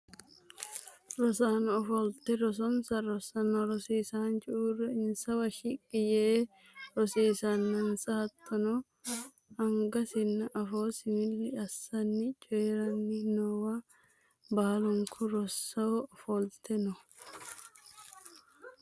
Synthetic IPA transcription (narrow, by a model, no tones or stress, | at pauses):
ɾɔsaːnɔfɔlt̪ɛɾɔs̬ɔnsɐɾɔsɐnɐɾɔsiːsaːnt͡ʃʼuːrɛɪnsɐwɐʃɪkʼːɪjeː | ɾɔsiːsɐnːɐnsɐɐt̪ʰːɐnɔ | ɐŋɡɐsɪnːɐʔɐfoːsɪmɪlːɪʔɐsːɐnːɪt͡ʃʼɛjɾɐnːɪnɔwɐ | baːlʊŋkʰʊɾɔsːɐwɔfɔlt̪ʰɛnɔ